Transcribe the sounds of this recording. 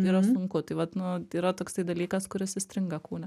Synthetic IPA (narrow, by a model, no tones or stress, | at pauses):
iːɾɐsʊŋkʊt̪ɐɪʋɐt̪nʊiːɾɐt̪oːkst̪ɐɪd̪ɐlʲiːkɐskʊɾʲɪsɪsʲt̪ʲɾʲɪŋɡɐkuːnʲɛ